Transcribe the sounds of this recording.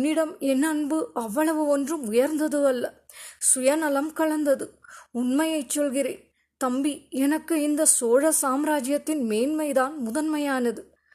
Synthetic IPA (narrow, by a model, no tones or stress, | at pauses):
nːɪɽɐmɛnːɐnbɯʔɐʋːɐɭɐʋɯɔndrɯmʊjɐɾnd̪ɐðɯɐlːɐ | sʊjɐnɐlɐmkɐɭɐnd̪ɐðɯʊnmɐjɐɪt͡ʃːɔlɣɪɾḛːn | t̪ɐmbiɛnɐkːɯɪnd̪ɐsoːɻɐsaːmɾaːd͡ʒjɐt̪ːɪnmeːnmɐɪðaːnmʊðɐnmɐjaːnɐðɯ